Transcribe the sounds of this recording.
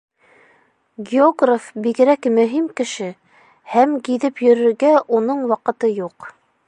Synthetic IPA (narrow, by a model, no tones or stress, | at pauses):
ɡʲɪoɡrafbiɡɘ̆ɾækmɵ̆ɦimkɘ̆ʃɘ | hæmɡiðɘpjɵ̆ɾɵ̆ɾɡæʔunɤɴwɑqɤ̆t̪ɤjuq